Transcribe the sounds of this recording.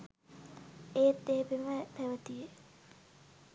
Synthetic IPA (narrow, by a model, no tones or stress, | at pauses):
eːt̪ːeːbemət̪ɛʋət̪ije